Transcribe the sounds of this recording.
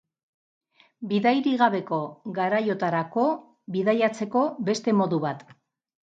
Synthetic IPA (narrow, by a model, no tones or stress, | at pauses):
biðajɾiɣaβe̞ko̞ɣaɾajo̞t̪aɾako̞ | biðajat͡se̞ko̞be̞st̪e̞mo̞ðuβat̪